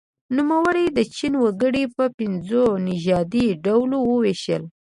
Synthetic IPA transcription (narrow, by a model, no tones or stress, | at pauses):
numawəɽejd̪ət͡ʃinwəɡəɽipəpɪnzonɪʒɑd̪iɖawlowəweʃəl